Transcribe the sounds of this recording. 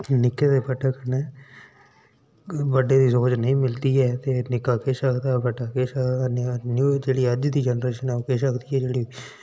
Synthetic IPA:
nɪkeːd̪eːpəʈəknɛː | ʋəɖeːd̪iːsoːd͡ʒnəĩːmɪlt̪iːɛːt̪eːnɪkaːkeːsəkʰd̪aːbəʈaːkeːsəkd̪aːnnud͡ʒeːɽiːəd͡ʒd̪iːd͡ʒɛnɾeːʃənɛːokeːʃəkʰd̪iːɛːd͡ʒeːɽiː

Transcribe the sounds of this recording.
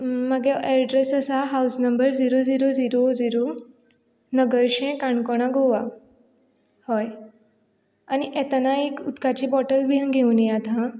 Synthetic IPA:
məɡeʔɛɾɖɾesəsaɦawsnəmbəɾd͡ziɾod͡ziɾod͡ziɾod͡ziɾo | nəɡəɾɕẽkaɳkɔɽ̃aɡoʋa | hɔj | aniʔɛt̪anaekut̪kat͡ɕiːbɔʈəlbʱiənɡʱewniat̪ã

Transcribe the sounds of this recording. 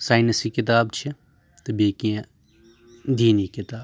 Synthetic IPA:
saːɪnɐsiːkɪt̪̬aːbt͡ʃʰi | t̪ɐbeːkijã | d̪iːniːkɪt̪aːb

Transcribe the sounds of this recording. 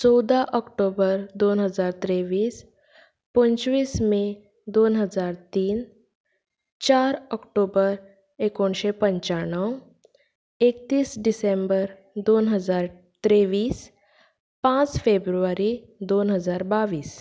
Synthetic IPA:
t͡ʃɔwd̪aʔɔkʈobəɾd̪oːnɦəzaːɾt̪ɾeʋiːs | pə̃ɲt͡ʃʋiːsmẽ | d̪oːnɦəzaːɾt̪iːn | t͡ʃaːɾɔkʈoːbəɾ | ekonʃepə̃ɲt͡ʃaɳə | ek̚t̪iːsɖisẽmbəɾ | d̪oːnɦəzaːɾ | t̪ɾeʋiːs | pãt͡sfʰebɾuʋaɾi | d̪oːnɦəzaːɾbaːʋiːs

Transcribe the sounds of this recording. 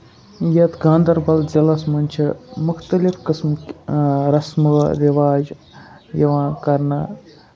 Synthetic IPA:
jɐt̪ɡãːnd̪ɐɾbɐld͡ʒɐlɐsmɐnʲt͡ʃʰimʊkʰt̪ɐlifkɨsm | ɾɐsmɨɾiʋaːd͡ʒ | jɐʋãːnkɐɾnɐ

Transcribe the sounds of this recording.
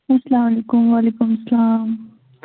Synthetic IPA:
asɐlaːmalekʊmwaːlikʊmsɐlaːm

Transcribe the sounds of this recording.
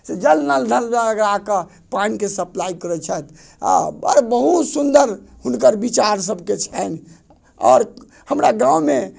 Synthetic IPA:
sed͡ʒəlnəld̪ʱəlaɡɾakə | panikesəplaikəɾɛt͡ʃʰɛt̪ | a̰ə̰ɾbəɦut̪sund̪əɾhunkəɾbit͡ʃaɾs̬əbʱket͡ʃʰɛn | ɔ̰ːɾ | həmɾaɡãume

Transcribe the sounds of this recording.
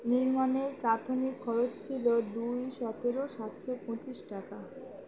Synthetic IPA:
niɾmaneɾpɾat̪ʰomikʰːɔɾot͡ɕt͡ɕʰilod̪ujʃɔt̪eɾoʃat̪ʃopɾot͡ɕiʃʈaka

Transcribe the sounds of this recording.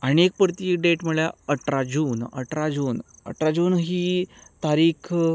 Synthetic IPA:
aɽ̃iek̚pɾt̪iːɖeʈm̤əɭjaəʈɾad͡ʑuːnə̰ʈɾad͡ʑuːn | ə̰ʈɾad͡ʑuːnɦiːt̪aɾiːkʰ

